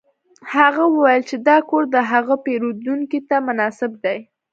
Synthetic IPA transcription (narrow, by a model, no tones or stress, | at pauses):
haɣawəwajəlt͡ʃed̪ɑkoɾd̪əɦaɣəpeɾud̪uŋkit̪amʊnɑsɪb̚d̪aj